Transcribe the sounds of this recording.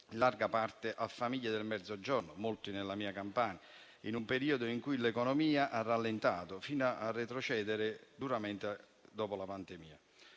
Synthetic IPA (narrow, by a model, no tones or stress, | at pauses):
larɡapart̪eʔafːamiʎːad̪elmɛd̪zod͡ʒɔrnʊmolt̪inelːamiːakampaːna | inumpeɾiːod̪oiŋkujlekɔnɔmiːaʔarːalːent̪aːt̪ofiːnaarːet̪ɾot͡ʃɛːd̪eɾɪd̪uɾamɛnt̪ɪ | d̪ɔːpolapand̪emiːa̰